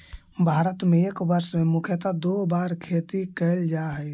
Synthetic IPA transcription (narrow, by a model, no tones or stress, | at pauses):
bʱaɾət̪meekbəɾsmemukʰjət̪ad̪obaɾkʰet̪ikəɪld͡ʒaɦəj